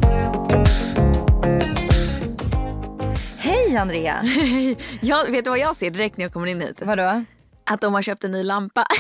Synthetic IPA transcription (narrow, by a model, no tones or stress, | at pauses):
hɛjand̪ɾeːa̰hɛjjɑːveːt̪d̪ɵvajɑːɡseːɖɛɾɛk̚t̪ɾjaːkɔmːəɾɪnːhḭːt̪vadɔ | ʔat̪̚d̪ɔmhaɾɕœːp̚t̪ɛnːyːlampːa